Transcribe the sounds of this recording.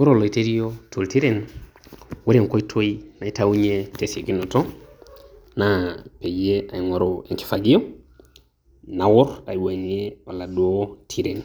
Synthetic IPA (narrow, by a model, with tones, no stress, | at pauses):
o˦ɾo˨lo˨i˨te˦ɾi˦jotʰo˨lti˦ɾen | we˦ɾe˨ŋko˦i˦tʰo˦ina˨ita˦u˦ɲetese˨ki˦no˨to | nape˨jea˨i˨ŋo˨ɾoeŋki̥faɡi˦jo˦ | na˨wɔ˦ɾa̰˨iwa˨neala˨du˨otʰi˦ɾe˨n